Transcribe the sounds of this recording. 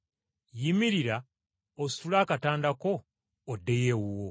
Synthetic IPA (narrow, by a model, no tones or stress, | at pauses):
jimiɾiɾa | osi̥tulaːkataːndako̞ː | dːe̞jewuwo